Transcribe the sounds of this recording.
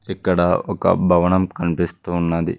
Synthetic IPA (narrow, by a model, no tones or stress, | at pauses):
ikːɐɽɐɔkɐ̰bʱɐʋɐɳɐmkɐnipist̪uːnːɐd̪ḭ